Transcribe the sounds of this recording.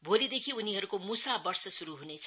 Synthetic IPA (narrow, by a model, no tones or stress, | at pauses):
bʱolid̪ekʰiuniɦʌɾukomusabʌrsʌsuɾuɦunet͡sʰ